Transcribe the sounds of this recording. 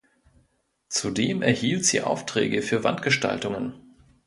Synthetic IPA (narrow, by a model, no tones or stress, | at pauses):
t͡sudeːmʔɛɐhiːltz̥ḭːʔa̰ʊftʁ̥ɛ̰ːɡəfyːɐva̰ntɡ̥əʃta̰ltʊŋən